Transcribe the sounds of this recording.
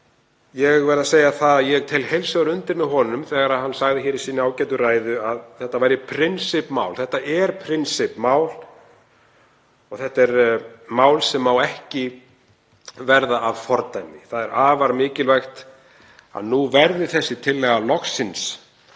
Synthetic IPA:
jɛɣvɛːɾðaseːjaθaðjɛɣt̪ʰejlhejlsaɣʏɾʏnt̪ɪɾmɪðɦɔnʏmθɛːɣaɾaðhanːsaɣðɪçɛːɾisiːnɪaːwcɛːt̪ʏraːjðʏaðθɛht̪ːavajɾɪpʰɾɪnsɪpma̰ːwlθɛht̪aʔɛɾ̥pʰɾɪnsɪpmaːwl | ɔɣθɛht̪aɛɾmaːwlsɛmːawɛhcɪ | vɛɾðaavfɔɾt̪ajmɪθaðɛɾaːvaɾmɪːcɪlvajxt̪ | a̰ðnuvɛɾðɪθɛsːɪt̪ʰɪlːɛːɣalɔksɪns

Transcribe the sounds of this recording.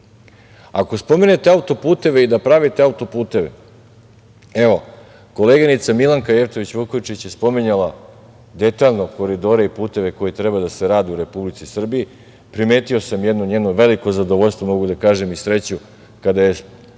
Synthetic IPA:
ako̞spo̞mine̞t̪eaut̪o̞puːt̪e̞ʋe̞id̪apɾaʋit̪e̞aut̪o̞puːt̪e̞ʋe̞̰ | e̞ʋo̞ | ko̞leɡanit̪samilˠaŋkaje̞ft̪o̞ʋit͡ɕʋukojt͡ʃit͡ɕje̞spo̞miɲala | d̪e̞t̪aːʎno̞ko̞ɾid̪o̞ːɾeipuːt̪e̞ʋe̞ko̞jit̪ɾebad̪aseɾaːd̪iuɾe̞publit̪sisr̩bii | pɾimeːt̪io̞samjed̪noɲeːdnoʋe̞liko̞zad̪o̞ʋoʎʲst̪ʋo̞mo̞ɡud̪akaːʒe̞misɾe̞t͡ɕu | kad̪aje̞

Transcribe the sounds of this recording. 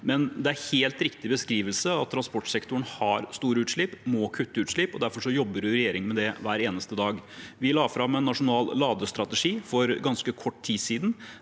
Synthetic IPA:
mɛnd̪ɛæɾheːlt̪ɾɪkt̪ɪbəskɾiːʋəlsəɑt̪ʰːɾɑnspɔʈsɛkt̪ʊɳhɑɾst̪uːɾəʉːt̪ʂɭɪpmɔkʰʉt̪ːəʉːt̪ʂɭɪpɔd̪æɾfɔʂɔjɔbːəɾʉɾɛjeːɾɪŋmɛd̪ɛʋæːɾeːnəst̪əd̪ɑːɡʋɪlɑːfɾɑmɛnːɑʂʊnɑːlːɑːd̪əst̪ɾɑt̪əʂiːfɔɾɡɑnskəkʰɔʈːt̪ʰiːsiːd̪n̩

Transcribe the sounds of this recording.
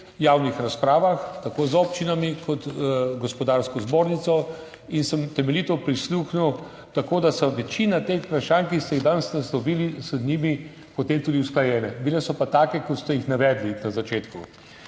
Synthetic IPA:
jaːwnixɾaspɾaːʋaxt̪akoːzɔːpt͡ʃinamikʰɔt̪ɡɔspɔd̪aɾskɔzboːɾnit̪sɔ | insəmt̪ɛmɛlit̪ɔpɾisluːxnuw | t̪akoːd̪asaʋɛt͡ʃiːnat̪eːxpɾaʃaːnkist̪ɛiɣd̪anst̪ɛslɔʋilizənimi | pɔt̪eːmt̪uːd̪iwsklajɛːnɛbilɛsɔpat̪aːkɛkɔt̪st̪ɛjixnaʋɛːd̪linazat͡ʃeːt̪ku

